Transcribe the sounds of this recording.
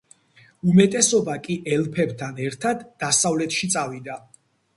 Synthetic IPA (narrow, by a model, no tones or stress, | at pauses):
umɛt̪ʼɛsɔbakʼiʔɛlpʰɛbt̪ʰanɛɾt̪ʰad̪ːasavlɛt̪ʰʃit̪sʼavid̪a